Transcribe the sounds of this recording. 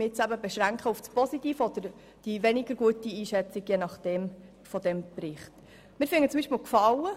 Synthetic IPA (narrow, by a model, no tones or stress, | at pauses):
mɪt͡sæbəbɛʃɾæŋkχəufspɔsitiːfɔd̥̪əɾ | d̥iʋɛnɪɡ̥əɾɡ̥uətiiːʃɛt͡siɡjenɑχd̥ɛm | fɔdɛmprɪχt | mɪːɾfɪŋːətt͡sʊmbiʃpməlkfɑlə